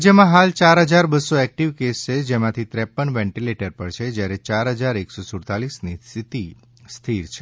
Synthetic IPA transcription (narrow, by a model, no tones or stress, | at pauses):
d͡ʒəmãɦalt͡ʃaɾɦəd͡ʒaɾbəsːoɛk̚ʈiʋkest͡ʃʰed͡ʒemãt̪ʰit̪ɾɛpːəɳʋɛ̃ɳʈileʈəɾpəɽt͡ʃʰed͡ʒjaɾet͡ʃaɾɦəd͡ʒaɾeksosʊɽt̪alisnist̪ʰit̪i | st̪ʰiɾt͡ʃʰe